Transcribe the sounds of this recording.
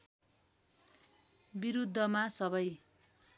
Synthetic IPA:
biɾud̪ʱːʌmasʌβʌj

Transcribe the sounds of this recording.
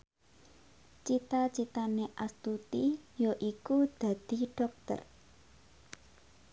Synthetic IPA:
t͡ʃit̪at͡ʃit̪aneʔast̪ut̪ijoʔikud̪̥a̤d̪̥i̤ɖ̥ɔk̚t̪ə̰r

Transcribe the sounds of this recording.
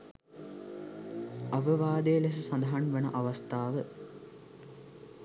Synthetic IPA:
ɐʋəʋaːd̪ejəles̬əsɐnd̪ɐɦanʋenəʔaʋast̪aːʋə

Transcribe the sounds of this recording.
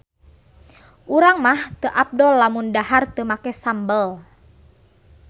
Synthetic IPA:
ʔuɾaŋmaht̪əʔap̚dɔlːamundahart̪əmakɛsambəl

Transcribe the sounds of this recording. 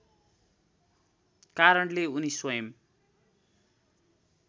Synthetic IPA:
kaɾʌɳleuniswʌjʌm

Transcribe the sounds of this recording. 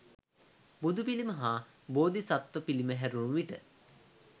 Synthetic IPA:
bud̪upiliməɦaː | boːd̪isat̪ʋəpiliməɦæɾunuʋiʈə

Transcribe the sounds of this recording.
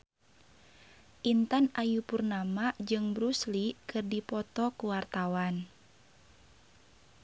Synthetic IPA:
ʔint̪anajupurnamad͡ʒɨŋbɾuslikɨrdipɔt̪ɔkuwart̪awan

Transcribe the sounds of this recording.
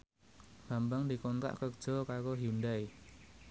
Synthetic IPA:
b̥ambaŋd̪i̤kɔnt̪a̰ʔkəkʒ̥ɔ̤kaɾoɦundaj

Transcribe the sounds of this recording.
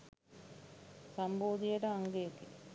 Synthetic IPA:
sɐmboːd̪ijɐʈəaŋɡejeki

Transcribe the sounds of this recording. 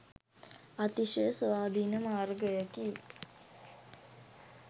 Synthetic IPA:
at̪iʃəsəʋaːd̪ʱinəmaːrɡəjəki

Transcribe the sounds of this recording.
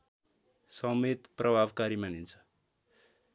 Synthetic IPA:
sʌmet̪prʌbʱabkaɾimanint͡sʰʌ̥

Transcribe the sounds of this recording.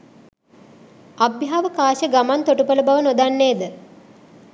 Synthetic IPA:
abjɦaʋəkaːʃəɡamant̪oʈupələbaʋənod̪anːeːd̪ə

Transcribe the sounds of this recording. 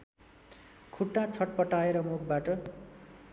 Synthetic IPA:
kʰuʈːat͡sʰʌʈ̚pʌʈaeɾʌmuk̚baʈʌ

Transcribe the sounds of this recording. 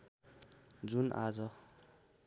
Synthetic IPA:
d͡zunʔad͡zʌ

